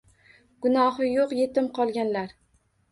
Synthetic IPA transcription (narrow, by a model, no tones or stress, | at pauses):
ɡ̥ʊnɒɦɪjoqje̞t̪ɪmqʰɒlˠɡʲanlaɾ